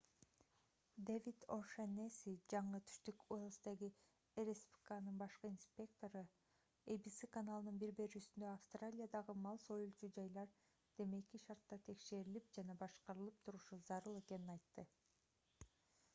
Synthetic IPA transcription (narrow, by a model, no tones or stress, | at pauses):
d̪evʲit̪oʃenesid͡ʒɑɴɯt̪ʰy̥ʃt̪ykolˠst̪eɡi | eɾespʲi̥kanɯnbɑʃqɯinspʲe̞k̚t̪o̞ɾɯ | ebisikanalˠɯnɯnbiɾbe̞ɾyːsynd̪øafst̪ralʲijad̪ɑʁɯmɑlˠso̞julˠt͡ʃud͡ʒɑjlˠɑɾ | d̪̥e̞me̞kiʃɑɾt̪ːɑt̪ʰe̞kʃe̞ɾilip̚d͡ʒɑnɑbɑʃqɑɾɯlˠɯp̚t̪ʰuɾuʃuzɑɾɯlˠe̞ke̞ninɑjt̪ːɯ